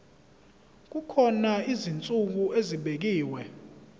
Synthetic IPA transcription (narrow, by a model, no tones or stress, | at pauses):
k̬ukʰɔnaizint͡sʼuk̬ueziɓek̬iːwɛ